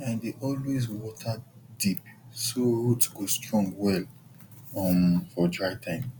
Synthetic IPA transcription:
ãndeʔɔlwezwɔtʰadipsohutɡostɹɔ̃ŋɡwɛl | ɔmfɔdɹaɪtʰãɪ̃m

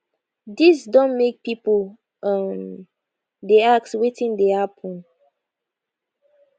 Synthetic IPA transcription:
disdɔ̃nmek̚pipol | ʔə̃n | deakswetĩndehapʰɔ̃n

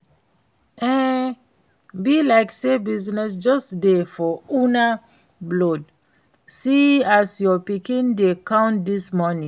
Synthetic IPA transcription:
ɛ̃ | bilaɪksebiznɛs̬d͡ʒɔstdefɔuna | blɔd | siasjɔpikĩndekãʊ̃ntdismɔnĩ

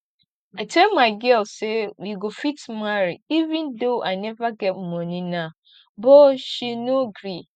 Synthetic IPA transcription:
atʰɛlmaɡɛlsɛwiɡofitmaɾiivɪ̃ndoʔaɪnɛvaɡɛtm̩mɔ̃nĩnã | bɔɕinoɡɾi

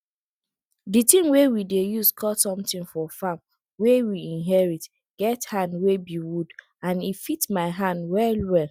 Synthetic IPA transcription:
ditĩmwewidejuskʰɔtsɔ̃mtĩnfɔfam | wewiĩnɦɛɹit | ɡ̥ɛthãndwebiwud | ãnifitmaɪɦãndwɛlwɛl

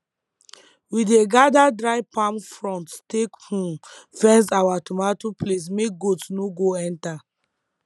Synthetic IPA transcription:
wideɡadadɹaɪpãmfɹɔ̃nttekhũfɛ̃ns̬awatomatoples̬mek̚ɡotsnoɡoɛ̃nta

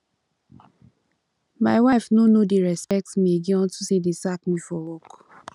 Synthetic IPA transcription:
maɪwajfnonodeɹɛspɛk̚tmĩeɡiɔ̃ntusedesak̚mĩfɔwɔk

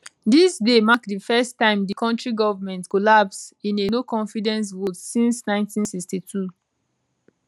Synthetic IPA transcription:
disdemakdifɛstãɪ̃mdikɔ̃ntɹiɡɔvəmɛ̃ntkɔlapsĩnenokɔ̃nfidɛ̃ns̬votsĩnsnãɪ̃ntĩnsikstitʰu

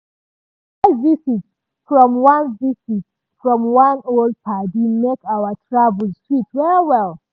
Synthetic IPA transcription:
avisit | fɹɔ̃mwãnvisit | fɹɔ̃mwãnolˠd̚pʰadimekawətʰɹavəl̩ˠstɹitwɛɹwɛlˠ

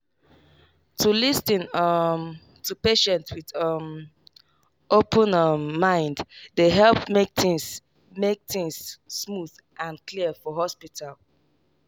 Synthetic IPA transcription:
tʰulistĩnʌm | tʰupeʃɛ̃ntswiðʌm | ʔopʰə̃nʌmːãɪ̃nddeɦɛlpmek̚tɪ̃ŋs | mek̚θĩŋsːmuð | ʔãnkliəfɔɦɔspitʰal

